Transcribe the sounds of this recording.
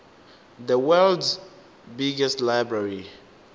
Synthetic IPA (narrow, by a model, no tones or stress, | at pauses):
ðəwɛlds | biɡɛstlaɪbɹaɹi